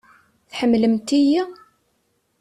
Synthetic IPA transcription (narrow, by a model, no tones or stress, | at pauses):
θħəmːləmt̪iji